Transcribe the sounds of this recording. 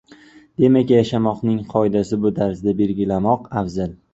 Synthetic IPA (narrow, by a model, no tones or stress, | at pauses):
d̪̥e̞makʲjaʃamɒqnɪŋqʰɒɪd̪asɪbʊd̪ʰaɾsd̪abe̞lɡʲɪlamɒqafzal